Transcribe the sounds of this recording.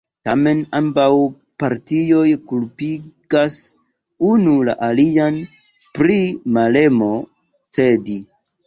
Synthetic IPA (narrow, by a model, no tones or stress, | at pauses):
tame̞nambaw | paɾtijo̞jkulpiɡas | unula̰ʔalian | pɾimale̞mo̞ | se̞di